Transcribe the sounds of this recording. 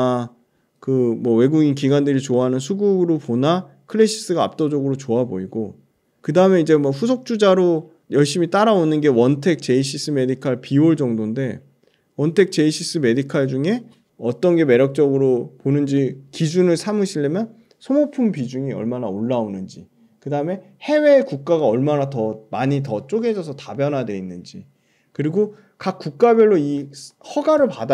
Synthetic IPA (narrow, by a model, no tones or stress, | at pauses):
kɯmwʌwe̞ɡuɡinkiɡandɯɾit͡ɕoaɦanɯnsʰuɡuɾopona | kʰɯɭe̞ɕʰi̥s͈ɯɡaa̰p̚t͈ʌd͡ʑʌɡɯɾot͡ɕoabo̰iɡo | kɯdaɯme̞id͡ʑe̞mʌɸusʰok̚t͡ɕ͈ud͡ʑaɾo | jʌɭɕ͈imit͈aɾaonɯnɡe̞wʌntʰe̞k̚t͡ɕe̞iɕʰis͈ʰɯme̞dikʰaɭpioɭd͡ʑʌŋdonde̞ | wʌntʰe̞k̚t͡ɕe̞iɕʰis͈ɯme̞dikʰaɭd͡ʑuŋe̞ | ʌt͈ʌnɡe̞me̞ɾjʌk̚t͡ɕ͈ʌɡɯɾoponɯnd͡ʑikid͡ʑ̬ʰunɯɭsʰamɯɕʰiɭːemjʌn | sʰomopʰumpid͡ʑuŋiʌ̰ɭmana̰oɭːaonɯnd͡ʑi | kɯdaɯme̞ | he̞we̞ːkuk̚k͈aɡaʌɭmanatʌmaɲitʌt͡ɕ͈oɡe̞d͡ʑʌsʰʌtabjʌnɦadwe̞inːɯnd͡ʑi | kɯɾiɡo | kak̚k͈uk̚k͈abjʌɭːoihʌɡaɾɯɭpada